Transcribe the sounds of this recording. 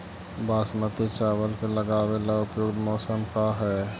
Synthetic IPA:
baːsmət̪et͡ʃaːʋəlkeləɡaːwelaʊpjoːɡd̪mɔːsəmkaɦɛː

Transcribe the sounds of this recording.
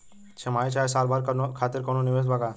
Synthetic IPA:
t͡ʃʰemaːit͡ʃʰaːesaːɾbaːɾkɐnokʰaːt̪ɪɾkononiʋes̬baɡa

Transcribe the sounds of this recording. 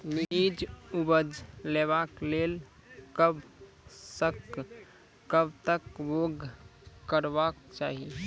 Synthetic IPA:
miid͡ʒubəd͡ʒlebaklel | kəb | səkː | əbt̪əkʋoɡkəɾbakt͡ʃaːɦi

